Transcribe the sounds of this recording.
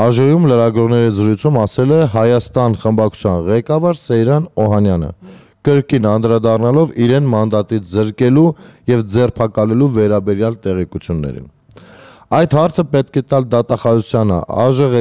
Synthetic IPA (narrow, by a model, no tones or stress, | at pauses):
ɑʒɔjumləɾɑɡɾɔʁnɛɾizəɾujt͡sʰumɑsɛlɛɦɑjɑst̪ɑnχəmbɑkʰu̥t͡sʰjɑnʁɛkɑvɑɾsɛjɾɑnɔɦɑnjɑnə̰ | kəɾkinɑnd̪ɾɑd̪ɑrnɑlɔviɾɛnmɑnd̪ɑt̪it͡sʰzəɾkɛlujɛvd͡zɛrpʰɑkɑlɛluvɛɾɑbɛɾjɑlt̪ɛʁɛkut͡sʰjunːɛ̰ɾḭn | ɑjt̪hɑɾt͡sʰəpɛt̪̚kʰɛt̪ɑld̪ɑt̪ɑχɑzut͡sʰjɑnə̰ʔɑ̰ʒəʁɛ